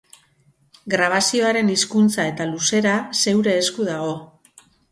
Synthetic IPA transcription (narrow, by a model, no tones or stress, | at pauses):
ɡɾaβ̞asio̞aɾe̞niskunt͡sae̞t̪aluse̞ɾase̞wɾe̞ːskuðaɣo̞